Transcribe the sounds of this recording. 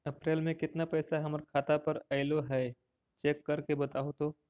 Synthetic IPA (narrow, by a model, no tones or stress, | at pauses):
ɐpɾeːlmẽkɪt̪napɛːsaɦɐmɾkʰaːt̪apɐɾɐɪloɦɛː | t͡ʃeːkːɐɾkebɐt̪aːot̪oː